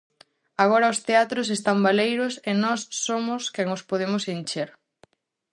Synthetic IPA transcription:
aɣ̞oɾɐost̪eat̪ɾʊs̬est̪ambalejɾʊsenɔsːomʊskɛŋospoðemʊsint͡ʃeɾ

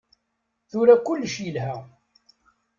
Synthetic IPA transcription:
θʊɾækʊlːʃjəlɦæ

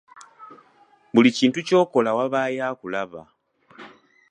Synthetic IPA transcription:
βuliciːntuco̞ːko̞lawaβaːjaːkulaβa̰

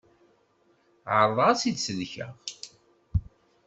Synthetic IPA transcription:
ʕəɾˤðˤæsid̪səlçə̰ʁ

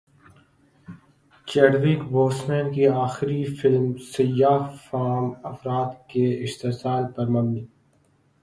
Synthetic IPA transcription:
t͡ʃeːɖʋiːkboːsmẽːnkiaːxɪɾifɪlmsɐjaːfaːmɐfɾaːt̪keɪʃt̪esaːlpɐɾmɐmniː

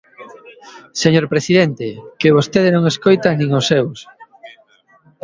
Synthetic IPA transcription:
seɲoɾpɾesiðent̪ekeβ̞ost̪eðenõŋeskojt̪anĩŋosːews

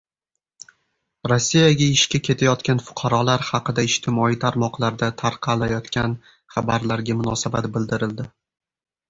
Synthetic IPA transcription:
ɾosːijaɡʲaɪʃkʲakʲʰe̞t̪ʰajɒt̪kʲanfʊ̥qʰɑɾɒlaɾhɑqɨd̪aɪʃt̪ʰɪmɒijt̪ʰaɾmɒqlˠaɾd̪at̪ʰaɾqʰɑlajɒt̪kʲʰan | χɑbaɾlaɾɡʲamʊnɒsabat̪bɪld̪ɪɾɪld̪ɪ

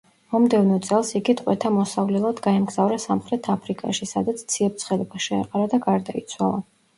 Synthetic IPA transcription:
mɔmd̪ɛvnɔt̪sʼɛlˠsiɡit̪ʼqʼwɛt̪ʰamɔsavlɛlˠad̪ɡaɛmɡz̥avɾasamχɾɛt̪ʰapʰɾikʼaʃisa̰d̪at̪sʰt̪sʰiɛp̚t̪sʰχɛlɛbaʃɛ̰ːqʼaɾad̪aɡaɾd̪ait̪sʰwa̰lˠa

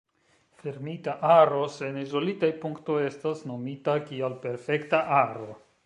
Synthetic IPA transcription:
feɾmitaʔaɾo̞se̞nizo̞litajpuŋkto̞je̞stasno̞mitakialpe̞ɾfe̞ktaʔaɾo̞

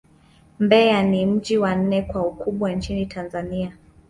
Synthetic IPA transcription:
mbɛanim̩d͡ʒiwan̩nɛkwaukuɓwant͡ʃinitʰanzania

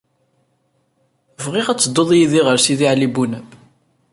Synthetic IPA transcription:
vʁɪʁæt͡sːəd̪ˤːoðˤjiðiʁəɾsiðiʕlibunə

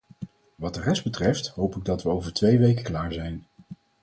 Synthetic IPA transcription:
ʋɑt̚dərɛsd̚bətrɛftɦowpɪɡ̚dɑtʋəowvəɹtʋejʋejkəklaːɹzɛjn

